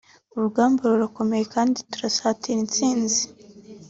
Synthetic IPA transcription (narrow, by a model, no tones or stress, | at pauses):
uɾuɡaːmboɾoɾako̞me̞je̞kaːnditu̥ɾasaːtiɾint͡siːnzi̥